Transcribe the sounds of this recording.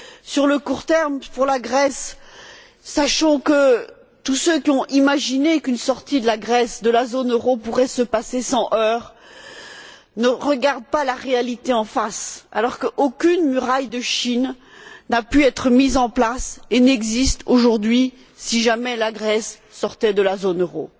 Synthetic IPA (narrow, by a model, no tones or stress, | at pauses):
syʁləkuʁt̪ɛʁmpuʁlaɡʁɛsː | aʃɑ̃kə | t̪usøkʲiɔ̃imaʒinekynsɔʁt̪id̪əlaɡʁɛsd̪əlazonøʁopuʁɛsəpasesɑ̃ʔœːʁ | nəʁəɡaʁd̪̚palaʁealit̪eɑ̃fasa̰lɔʁkəʔokʲynmyʁajd̪əʃinː | apyɛt̪χəmizɑ̃plasenɛɡzist̪oʒuʁd̪ɥi | siʒamɛlaɡʁɛsː | ɔʁt̪ɛd̪əlazonøʁo̰